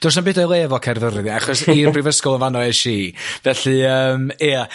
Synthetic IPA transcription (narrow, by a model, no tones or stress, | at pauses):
d̥ʊs̬anbɨːdɔjlˠɛːvɔkʰɛrvəɾɨðaχɔsirpʰrɪvəskʊlˠənvanɔɛʃivɛɬɨəːmia